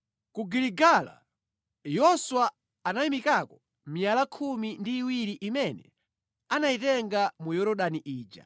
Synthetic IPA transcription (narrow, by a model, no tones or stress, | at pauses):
kuɡiliɡala̰ | jɔswaː | naimikakɔ | mijalakʰumindiːwiɾiʔimɛnɛ̰ | anaitɛŋɡamujɔɾɔɗaniʔiːd͡ʒa̰